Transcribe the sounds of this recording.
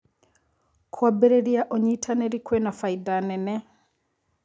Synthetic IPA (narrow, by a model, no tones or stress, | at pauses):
kʰwabeɾeɾiaʔoɲitʰaneɾikwenafaidanɛnɛ